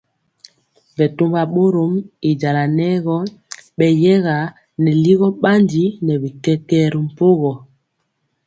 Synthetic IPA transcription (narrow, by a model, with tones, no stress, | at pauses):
vɛ˨to˦mba˨ɓo˦ɾo˨˦mi˨d͡ʒa˨la˨nɛ˦ɣɔ˦ɓɛ˨jɛ˦ɣa˨ | nɛ˨li˦ɣɔ˦ɓa˦ndi˦nɛ˨βi˨kɛ˦kɛ˦ɾi˨m̩˨po˦ɣɔ˨